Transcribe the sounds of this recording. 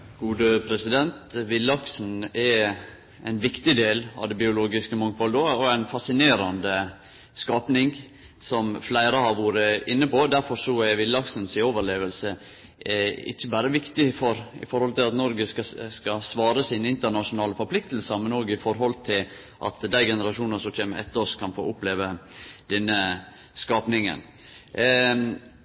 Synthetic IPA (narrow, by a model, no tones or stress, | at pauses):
ɡ̥uːd̪əpʰɾɛsɪd̪ɛnt̪ʋɪlːɑksn̩ɛ | æɪnʋɪkt̪ɪd̪eːlɑ̰ʋd̪ɛbɪʊloːɡɪskəmɑŋfɔld̪oɔæɪnfɑsɪneːɾɑnd̪ə | skɑːpnɪŋ | sɔmflæɪɾəhɑɾʋuːɾəɪnːəpoːd̪æɾfɔɾsɔɛʋɪlːɑksn̩sɪoːʋəɾleːʋəlsə | ɪ̰çːəbæːɾəʋɪkt̪ɪfɔɾɪ̰fɔɾhɔlt̪ɪlɑt̪nɔɾɡəskɑsʋɑːɾəsiːnɪnt̪əɾɳɑʂʊnɑːləfɔɾpʰlɪk̚t̪l̩səmɛnoːɡɪfɔɾɦɔlt̪ʰɪl | ʔɑ̰t̪d̪æɪɡɛnəɾɑʃuːnəsɔçeːməʔɛ̰t̪ːəɔskʰɑnfo̰ːʔʊpleːʋəd̪̥ɛnːə | skɑːpnɪŋə̰n